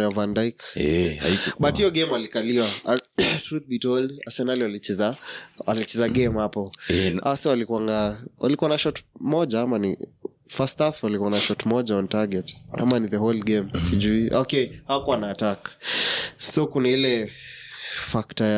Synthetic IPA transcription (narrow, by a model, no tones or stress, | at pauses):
javandajkɛa̰ikɓathijɔɡɛmalikaliwa | tɾuθ̚bitɔlasɛnaliwalit͡ʃɛzawalit͡ʃɛzaɡɛmhapɔɛaswalikwaŋɡawʔa̰likuwanaʃɔtmɔʄaamanḭ | fastafwalikuwanaʃɔtmɔʄaɔntaɡɛta̰maniðəhɔlɡɛmsiʄuiʔɔkɛhaakuwanaːtakḁ | sɔkunailɛ | faktaja